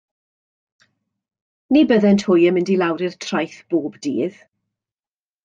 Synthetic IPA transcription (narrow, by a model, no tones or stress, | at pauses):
nibəðɛntʰhʊjəmɪndilˠawɾirtʰr̥ajθb̥oːbdḭːð